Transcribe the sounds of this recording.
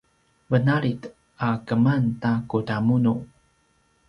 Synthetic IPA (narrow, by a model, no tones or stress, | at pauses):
vənaɾit | akəmantakutamunu